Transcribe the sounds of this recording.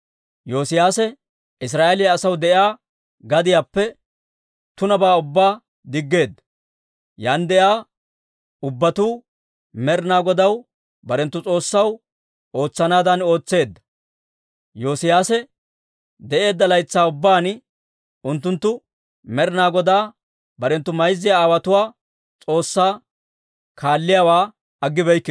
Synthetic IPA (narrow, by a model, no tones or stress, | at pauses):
jo̞ːsɪjaːsɛ | ɪs̬ɾaːʔɛlɪjɐːsɐwd̪ɛʔaː | ɡɐd̪ɪjaːpːɛ | t̪ʊnɐbaːʊbːaː | d̪ɪɡːe̞ːd̪ːɐ̥ | jaːnd̪ɛʔjaː | ʊbːɐt̪uː | mɛɾnaːɡɔd̪ɐw | bɐɾɛnt̪ːʊt͡sʼo̞ːsːɐw | o̞ːt͡sːɐnaːd̪ɐno̞ːt͡sːe̞ːd̪ːɐ̥ | joːsɪjaːsɛ | d̪ɛʔe̞ːd̪ːɐlɐjt͡sːaːʊbːaːn | ʊnt̪ːʊnt̪ːʊ | mɛɾɪnaːɡɔd̪aː | bɐɾɛnt̪ːʊmɐjzːɪjaaːwɐt̪ʊwaː | t͡sʼo̞ːsːaː | kʰaːlːɪjaːwaː | ɐɡːɪbɛjkːɪ